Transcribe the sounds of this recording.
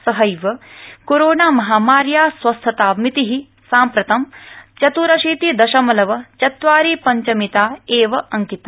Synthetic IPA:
sɐɦɐjʋɐkoɾoːnaːmɐɦaːmaːɾjaːsʋɐst̪ʰːɐt̪aːmit̪iɦi | saːmpɾɐt̪ɐmt͡ʃɐt̪uɾɐʃiːt̪id̪ɐʃɐmɐlɐʋɐt͡ʃɐt̪ʋaːɾiːpɐɲt͡ʃɐmit̪aːeːʋɐʔɐŋkit̪

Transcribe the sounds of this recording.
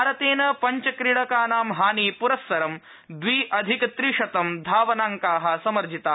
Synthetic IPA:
aːɾɐt̪eːnɐpɐɲt͡ʃɐkɾiɽɐkaːnaːmɦaːniːpuɾɐsʋɐɾɐm | d̪ʋiːʔɐd̪ʱikɐt̪ɾiʂɐt̪ɐmd̪ʱaːʋɐnaːŋkaːɦɐ̆sɐmɐɾd͡ʒʱit̪aː

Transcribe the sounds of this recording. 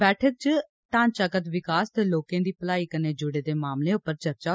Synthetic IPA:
bɛːʈʰək̚t͡ʃə | ʈãːɲt͡ʃaːkət̪ʋɪkaːst̪eːloːkẽːd̪iːpəlaːiːkəneːd͡ʒʊɽeːd̪eːmaːmlẽːʊpːəɾt͡ʃəɾt͡ʃaː

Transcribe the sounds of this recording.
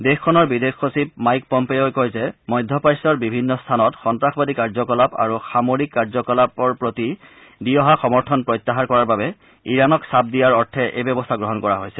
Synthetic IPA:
dexkʰːɔnɔɹbidexːosipmajk̚pɔmpeojkojzɛmɔjd̪ʱːɔpajsɔɹbibʱinːɔstʰanɔtxɔntɹaxbadikaɹzɔkɔlapa̰ɹuxamoɹikːaɹzɔkɔlapɔɹpɹoti | dijɔɦaxɔmɔɹtʰɔnpɹɔjt̪ːaɦaɹkɔɹaɹbabɛ | iɹanɔksap̚dijaɹɔɹtʰɛʔejbɔbɔst̪ʰaɡɹɔɦɔnkɔɹa̰ɦojsɛ

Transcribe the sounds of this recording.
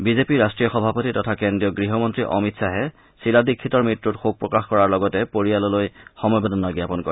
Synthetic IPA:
bizepiɹastɹijɔxɔbʱapotitɔtʰakendɹijɔɡɹiɦɔmɔntɹiʔɔmitsaɦɛ | siladikʰːitɔɹmɹitɹutxoɡ̚pɹɔkaxkɔɹaɹlɔɡɔtɛpoɹijalɔlojxɔmɔjbɔdɔnaɡjapɔnkɔɹɛ

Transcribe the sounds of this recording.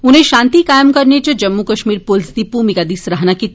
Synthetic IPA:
ʊnɦẽʃãːnt̪ikaːjəmkɐɾnet͡ʃəd͡ʒɐmːukɐʃmiːɾpʊlsd̪ipuːmikad̪isɾɐɦnakit̪

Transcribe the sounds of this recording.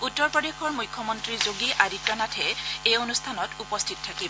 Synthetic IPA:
utːɔɹpɹɔdexɔɹmujkʰːɔmɔntɹizoɡiʔaditɔnatʰɛejonustʰanɔtupɔstʰitɔtʰakib

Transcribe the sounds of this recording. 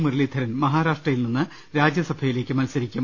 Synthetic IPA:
mɨɾɭid̪ʰʱɐɾɐnmɐɦaːɾaːʂʈrɐjilninːɨ | ɾaːd͡ʑjɐsɐbʱɐjile̞ːkʲːɨmɐlsɐɾikʲːum

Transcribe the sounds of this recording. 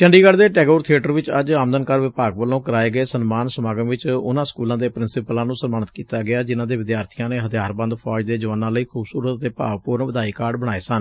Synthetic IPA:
t͡ʃəɳɖiːɡəɽd̪eːʈɛːɡoːɾt̪ʰieːʈəɾʋɪt͡ʃəd͡ʒaːməd̪ənkəɾʋɪpaːɡ̚ʋəlõːkəɾaːeːɡəeːsənmaːnsəmaːɡəmʋɪt͡ʃʊ̰nãːskuːlãːd̪eːpɾɪnsɪpəlãːnũːsənmaːnət̪kiːt̪aːɡɪaːd͡ʒɪnãːd̪eːʋɪd̪jaːɾt̪ʰijãːneːɦət̪ʰjaːɾbə̃nd̪pʰɔːd͡ʒd̪eːd͡ʒəʋəːnãːləiːkʰuːbsuːɾət̪ːeːpa̰ːʋpʊːɾənʋəd̪aːiːkaːɾɖbəɽ̃aːeːsən

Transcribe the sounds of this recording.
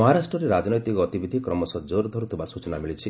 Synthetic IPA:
ɔɦaɾasʈɾɔɾeɾad͡ʒnɔjt̪ikɔːt̪ibid̪ʱikɾɔmɔsɔd͡ʒoɾd̪ʱɔɾut̪ʰubasut͡ʃɔnamilit͡ʃʰi

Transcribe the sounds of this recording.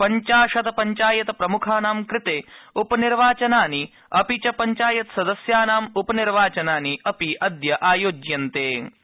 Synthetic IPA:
pɐɲt͡ʃaːʂɐt̪ɐpɐɲt͡ʃaːjɐt̪ɐpɾɐmukʰaːnaːmkɾɪt̪eːupɐniɾʋaːt͡ʃɐnaːni | ɐpit͡ʃɐpɐɲt͡ʃaːjɐt̪sɐd̪ɐsjaːnaːmupɐniɾʋaːt͡ʃɐnaːniɐpiʔɐd̪jɐʔaːjoːd͡ʒjɐnt̪eː

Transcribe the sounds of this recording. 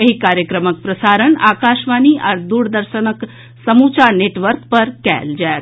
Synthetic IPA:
eɦikaːɾjəkɾəmək̚pɾəsaːɾəɳaːkaːʃʋaːniʔa̰ːɾd̪uːɽd̪əɾʃənək | sɐmut͡ʃaneːʈʋəɾkpɐɾkɛ̰ːld͡ʒaːet̪

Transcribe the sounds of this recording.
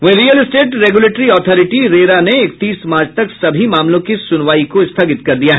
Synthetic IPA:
ʋeɾiːjəlɪsʈeːʈɾeːɡuleːʈɾiɔːt̪ʰɔːɾɪʈiɾeːɾaneɪk̚t̪iːsmaːɾt͡ʃʰt̪ɐksɐbʱimaːmlõkisʊnʋaːikoɪst̪ʰaɡɪt̪̚kɐɾd̪ijaɦɛ

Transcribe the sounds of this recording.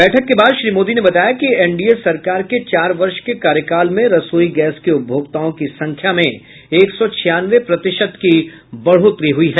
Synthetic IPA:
bɛːʈʰəkːebaːd̪ʃɾiːmoːd̪inebɐt̪aːjakiɛɳɖiesɐɾkaːɾket͡ʃaːɾʋɐɾʃkekaːɾjəkaːlmẽɾɐsoːiɡɛːskeʊbʱjoːɡt̪aõkisɐ̃ŋkʰjamẽ | eːksɔt͡ʃʰɪjaːnʋepɾɐt̪ɪʃəd̪ki | bɐɽ̤ot̪ɾiɦʊiɦɛː

